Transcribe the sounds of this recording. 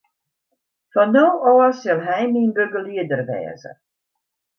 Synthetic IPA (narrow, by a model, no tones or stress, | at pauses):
fɔnːoːʔɔːsɪlˠɦɛjninbøɡəliədərʋɛ̰ːzə̰